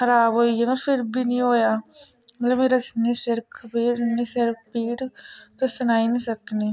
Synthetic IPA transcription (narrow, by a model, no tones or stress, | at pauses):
xəɾaːbɦoːiemẽpʰɪɾbʱiːnĩːɦoːjaːmət̪ləbmeːɾasneːsɪɾkʰːpiːɾnĩːsɪɾk̚piːʈt̪osʊnaːinĩːsəkniː